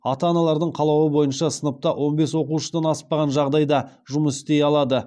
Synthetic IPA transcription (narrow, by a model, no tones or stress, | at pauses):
ɑt̪ɑːnɑlˠɑɾd̪əɴqʰɑlˠɑwəbo̞jənʃɑsənəp̚t̪ɑwʔo̞nbe̞swo̞quʃəd̪ɑnɑspɑʁɑnʒɑʁd̪ɑjd̪ɑ | ʒʊməsɪ̥st̪ejɑlˠɑd̪ə